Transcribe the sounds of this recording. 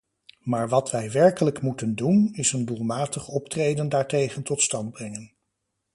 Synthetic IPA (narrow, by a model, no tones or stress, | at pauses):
maːɹʋɑtʋɛjʋɛɹkələkmutəndunɪsəndulˠmaːtəχɔptrejdəndaːɹtejχəntɔtstɑnd̚brɛŋən